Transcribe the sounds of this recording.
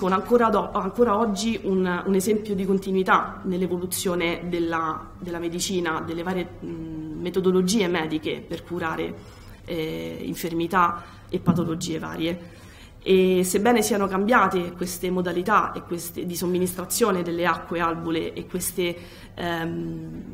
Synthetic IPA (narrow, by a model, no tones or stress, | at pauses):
soːnaŋkoːɾaɔaŋkoːɾaɔd͡ʒːiʔununezɛmpjod̪ikont̪inwit̪anelːevolut̪sːjoːned̪elːa | d̪elːamed̪it͡ʃiːnad̪elːevaːɾje | met̪od̪olod͡ʒiːemɛːd̪ikḛperkuɾaːɾḛ | ḭɱfermit̪a | epːat̪olod͡ʒiːeva̰ːɾje | esebːɛːnesiːanokambjaːt̪ekwest̪emod̪alit̪aekːwest̪ed̪isomːinist̪ɾat̪sːjoːned̪elːeakːwealbuleʔekːwest̪e